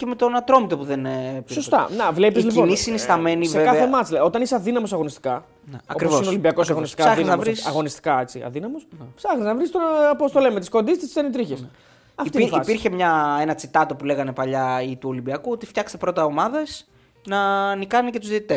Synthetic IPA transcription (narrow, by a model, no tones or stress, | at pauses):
ce̞me̞t̪o̞nɐt̪ɾo̞mit̪o̞puðe̞npiost̪ɐ̰nɐvlepizlipinisinist̪ɐme̞nivseeɐemɐt͡silɐot̪ɐniseɐðinɐmo̞s̬ɐɣo̞nist̪i̥kɐ | neɐ̰okɾivsoisnolimbiɐkosɐɣonist̪isaɐɣiznɐvɾisɐɣo̞nist̪i̥kɐe̞t͡siɐ̰ðinɐmosnpsɐxniznɐvɾist̪onɐpost̪olemet̪isko̞nd̪ist̪issenit̪ɾiçes | ɐfiifipiɾçe̞mɲɐe̞nɐt͡sit̪ɐt̪o̞pule̞ɣɐne̞pɐʎɐit̪uo̞limbiɐkuot̪ift̪çɐkst̪epɾot̪ɐo̞mɐðɐs | nɐnikɐnicet̪uzðit̪it̪es